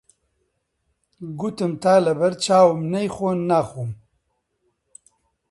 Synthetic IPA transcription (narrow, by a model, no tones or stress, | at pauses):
ɡut̪ɨmt̪aːlɐbɐɾt͡ʃaːwumnɐjxoːnnaxum